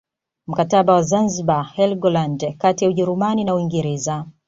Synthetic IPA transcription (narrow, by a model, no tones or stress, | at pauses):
m̩kataɓawazanziɓahɛlɡɔlandkatijauʄɛɾumaninauwiŋɡɛɾɛza